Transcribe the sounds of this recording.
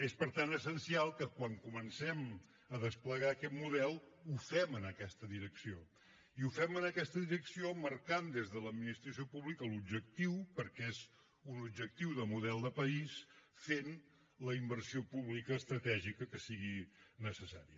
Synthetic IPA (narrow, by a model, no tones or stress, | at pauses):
espəɾt̪anəsənsialˠkəkwaŋkumənsɛm | əðəspləɣaːkɛt̪muðɛlˠufɛmənəkɛst̪əðiɾəksio | iufɛmənəkɛst̪əðiɾəksioməɾkand̪ezðələd̪minist̪ɾəsiopuβlikəlub̚d͡ʒək̚t̪iwpəɾkez | unubd͡ʒək̚t̪iwðəmuðɛlˠd̪əpəisfen | ləimbərsiopuβlikəːst̪ɾət̪ɛʒikəkəsiɣinəsəsa̰ɾiə